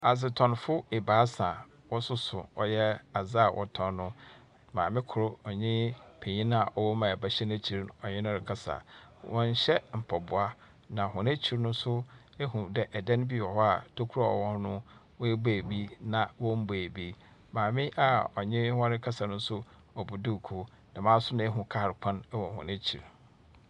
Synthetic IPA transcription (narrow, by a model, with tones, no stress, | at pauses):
a˨sɪ˨tʰɔ̃˨nfʊ˦e˨baː˨˦sã˨ | wɔ˦sʊ˦sʊ˨ɔ˦jɛ˦a˨za˦˨wʔɔ̰˨tʰɔ̃˨nːʊ̃˦ | mã̰ː˨mɪ̃˦kʰʊ˨ɾʊ˦ɔ˨ɲɪ̃˦pʰe˨ɲĩ˦nã˦a˨ʔɔ˨wɔ˦mã˨ba˦ɕɛ˦n˦æ˦˨t͡ɕʰi˨ɾɔ˨ɲɪ̃˦nʊ̃˦ɾɪ˦kʰa˦sa̰˨ | wɔ̃˦n̩˦ɕɛ˦m̩˨pʰɔ˨bʊ˨a˦ | nã˨ɦʊ̃˨n˦æ˦t͡ɕʰi˦ɾnʊ̃˦sʊ˦ | ɛ˦ɦũ˨dɛ˨ʔɛ˨dɛ̃˦n˦bi˦˨wɔ˨hɔ˦a˨tʰo˦kʰu˦ɾa˦ɔ̰˨wɔ̃˦n˦nʊ̃˦ | wɔ˦e˦bæː˨bi˦nã˨wɔ̃˦m̩˦bæ˨bi˦ | mãː˨mɪ̃˦ʔa˨ɔ˨ɲɪ̃˦hã˦ɾɪ˦kʰa˦sa˨nʊ̃˦sʊ˦ | ɔ˨bu˨du˦˨kʰo˦ | nã˨mãː˦sʊ˦nã˨˦ɛ˦ɦũ˨kʰa˦˨ɾɪ˨kʰã˦n˦wɔ̃˨hʊ̰̃˨næ˦t͡ɕʰḭ˨ɾ